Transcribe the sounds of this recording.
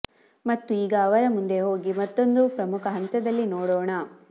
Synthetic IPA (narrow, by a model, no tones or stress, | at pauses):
mɐt̪ːuiːɡɐːʋɐɾɐmund̪e̞ɦo̞ːɡimɐt̪ːo̞nd̪upɾɐmukʰɐɦɐnt̪ɐd̪ɐlːinɔːɽɔːɳɐ